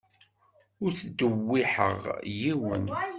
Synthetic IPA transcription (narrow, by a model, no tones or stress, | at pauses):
ʊɾθd̪ːəwːiħə̰ʁjiwə̰n